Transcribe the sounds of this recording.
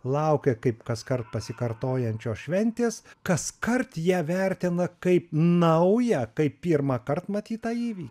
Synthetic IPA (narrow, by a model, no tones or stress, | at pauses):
lˠɐʊkʲɛkɐɪpkɐskɐrt̪̚pɐsʲɪkɐrt̪oːjɛnʲt͡ʃʲoːsʃʲʋʲɛnʲt̪ʲeːskɐskɐrt̪jiɛʋʲɛɾʲt̪ʲɪnɐkɐɪpnɐʊjɛkɐɪppʲiːrmɑkɐrt̪mɐt̪ʲiːt̪ɑːiːʋʲiːkʲ